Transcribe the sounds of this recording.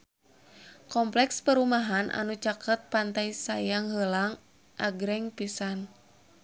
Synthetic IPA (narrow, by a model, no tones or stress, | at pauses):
kɔmplɛkspəɾumaɦanʔa̰nut͡ʃakʰət̪̚pant̪ajsajaŋɦəlaŋ | ʔaɡɾɛŋpisan